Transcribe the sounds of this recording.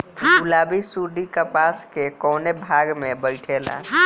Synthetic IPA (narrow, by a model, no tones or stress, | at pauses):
ʊlaːbisuɖ̪ikəpaːskekɔːnebʱaːɡmẽbəɪʈʰela̰